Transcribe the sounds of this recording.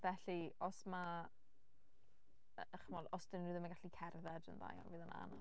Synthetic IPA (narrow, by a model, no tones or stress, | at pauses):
vɛɬiɔsma | χəmɔdɔsd̥ɪnuðəmanɡaɬikʰɛrðɛdə̰nða̰jɔ̰nvɨːðəna̰nɔ̰